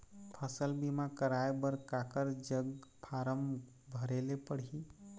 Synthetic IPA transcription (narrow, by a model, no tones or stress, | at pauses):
pʰəsəlbimakəɾaebəɾkakəɾd͡ʒəɡpʰaɾəm | bʱəɾelepəɽ̤i